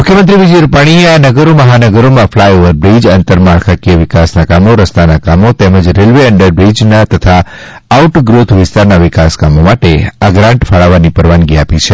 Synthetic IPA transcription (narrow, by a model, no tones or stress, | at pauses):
mukʰjəmənt̪ɾiʋid͡ʒiɾupaɽ̃ieanəɡəɾoməɦanəɡəɾomãflajoʋəɾbɾid͡ʒənt̪əɾmaɭkʰakiəʋɪkasnakamoɾəst̪anakamot̪eməd͡ʒɾelʋeəɳɖəɾbɾid͡ʒnat̪ət̪ʰa | auʈɡɾot̪ʰʋɪst̪aɾnaʋɪkaskamomaʈeaɡɾãɳʈfaɭaʋanipəɾʋanɡiapit͡ʃʰe